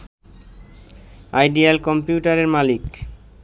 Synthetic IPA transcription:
ajɖialkɔmpjuʈaɾeɾmalik

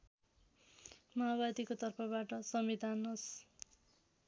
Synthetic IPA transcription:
maabad̪ikot̪ʌrpʌbaʈʌsʌmbid̪ʱanos

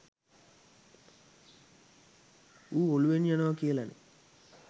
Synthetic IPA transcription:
uːoluʋenjanɐʋɐkiɐlɐnḛ

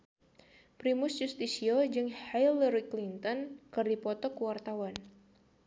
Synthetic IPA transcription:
pɾimʊsd͡ʒust̪isiod͡ʒɨŋhiləɾiklint̪ɔnkɨrdipɔt̪ɔkəwart̪awan

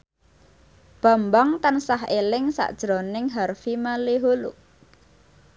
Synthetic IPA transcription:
b̥a̤mbaŋt̪ansaɦelɪŋsa̰ʔd̥ʒ̥ɾonɪŋɦarfimaliɦolṵʔ

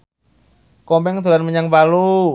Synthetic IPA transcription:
kɔmbɛŋt̪uɾanməɲaŋbalu

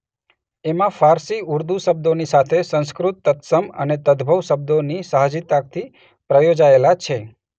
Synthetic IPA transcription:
emãfaɾsiuɾd̪usəb̚d̪onisat̪ʰesə̃ñskɾut̪ːət̪səmə̰net̪əd̪bʱəʋsəb̚d̪onisəɦd͡ʒit̪ak̚t̪ʰi | pɾəjod͡ʒaelat͡ʃʰe

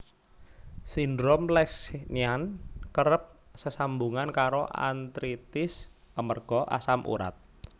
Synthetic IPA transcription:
sindɾomlɛksniankəɾəp̚səsambuŋankaɾoʔa̰nt̪ɾit̪ɪs | əmərɡ̥ɔ̤ʔa̰samʔṵɾa̰t̪̚

